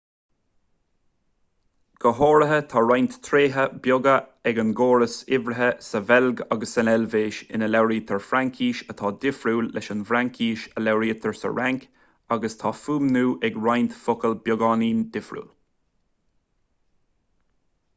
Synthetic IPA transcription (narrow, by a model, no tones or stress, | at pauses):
ɡ̥əɦoːɾəɦət̪ʰɑːɹajnt̪t̪ʰɾeːɦəbjʊɡəɛɡanɡoːɾəsɪvɾəɦəsəvɛlɡaɡəsənɛlveːʃɪ̰nəlɛwɾiːt̪ʰəɹfɾaŋkʰiːʃət̪ʰɑːd̪ɪfɾuːlːɛʃənvɾaŋkʰiːʃəlɛwɾiːt̪ʰəɹsə̰ɹaŋk | aɡəst̪ʰɑːfuːmnuːʔɛɡɹajnt̪fʊkəlbjʊɡɑːniːnd̪̥ɪfɾṵːl